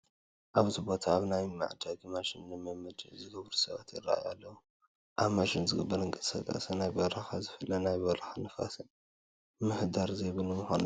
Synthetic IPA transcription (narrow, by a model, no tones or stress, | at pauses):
ʔaβzibo̞t̪ʰaːβnajma̰ʕd̪aɡimaʃɪnːɨmɨmɨd̪zɨɡɐβɾusɐβa̰t̪ɪrːa̰ʔja̰lːɐwu | ʔaβmaʃɪnzɨɡɐbːɐɾɨŋkʼɐsɐkʼɐ̰sɐnajbɐɾaxazɨfɨlːɐnajbɐɾaxanɨfa̰sɨn | mɨhd̪aɾzeβɨlɨmɨxon